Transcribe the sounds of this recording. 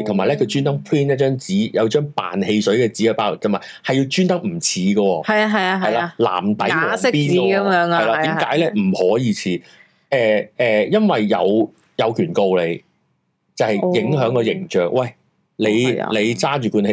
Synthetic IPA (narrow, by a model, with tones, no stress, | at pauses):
t̪ʰʊ˨˩maː˨jlɛː˥kʰɵ˨˧ɥt͡ʃyː˥nt̪ɐ˥ŋpʰɹiː˥nɐ˥t͡ʃœː˥ŋt͡siː˨˥jɐ˨˧wt͡ʃœː˥ŋpa̰ː˨nhe˧jsɵ˨˥ɥkɛː˧t͡siː˨˥kːpaː˧˥lk̚t̪ɐ˨˩maː˨˩ | hɐ˨ji˧wt͡ʃyː˥nt̪ɐ˥k̚m̩˨˩t͡sʰiː˨˥ɡə˧wɔː˧hɐ˨ja˧ɦɐ˨ja˧ɦɐ˨jlaː˧la̰ː˨˩mt̪ɐ˨˥jɔ˨ɪ˥piː˥˧˦ɐ˨˦mjːŋɐ˨jlaː˧t̪iː˨˧˨mkaː˨˥jlɛː˥m̩˨˩hɔː˨˥jiː˨˧t͡sʰiː˨˥ | ʔɛː˨˩ɛː˨jɐ˥nwɐ˨jjɐ̰˨˧w | jɐ˨˧wkʰyː˨˩nko˧wle˨˧j | t͡sɐ˨˧whɐ˨jjɪ˨˥ŋɦœː˨˥ŋkɔː˧jɪ˨˩ŋt͡ʃœː˨k̚wɐ˥˩j | le˨˧j̰le˨˧jt͡saː˥t͡ʃyː˨˩kuː˧nhe˧